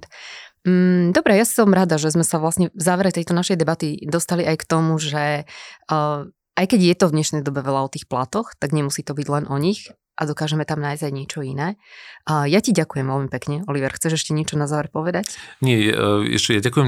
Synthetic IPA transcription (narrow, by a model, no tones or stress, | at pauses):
m̩d̪ɔbɾɛjassɔmɾad̪aʒɛzmɛsaʋlasɲɛvzaːʋɛɾɛt̪ɛjt̪ɔnaʃɛjd̪ɛbat̪id̪ɔst̪aliʔajkt̪ɔmuʒɛ | ajkɛɟjɛt̪ɔvd̪ɲɛʃnɛjd̪ɔbɛʋɛlaɔt̪iːxplat̪ɔxt̪aɡɲɛmusiːt̪ɔbiɟlɛnʔɔɲix | ʔad̪ɔkaːʒɛmɛt̪amnaːjzajɲɪɛt͡ʃɔinɛː | jaciɟakujɛmʋɛlmipɛkɲɛɔliʋɛɾxt͡sɛʒɛʃcɛɲɪɛt͡ʃɔnazaːʋɛɾpɔʋɛd̪acɲɪɛ̰ɛ̰ʃɛjaɟakujɛm